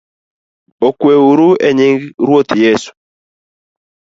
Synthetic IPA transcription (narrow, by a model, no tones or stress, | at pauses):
okweuɾuɛɲɪŋɡɾwot̪jesu̥